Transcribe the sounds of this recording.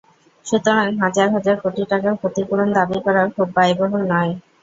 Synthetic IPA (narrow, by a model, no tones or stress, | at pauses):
ʃut̪oɾanɦad͡ʑaɾɦad͡ʑaɾkʰoʈiʈakakʰot̪ipuɽond̪abikɔɾaɾkʰubːajbɔɦonnɔe